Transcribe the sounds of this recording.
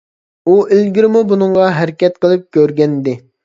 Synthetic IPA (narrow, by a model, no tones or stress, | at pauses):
uʔɪlɡʲiɾɪmubunɨŋʁɑɦæɾɪkʲɛt̪̚qʰəlˠɨp̚kʲʰøɾɡʲɛnɪd̪ɪ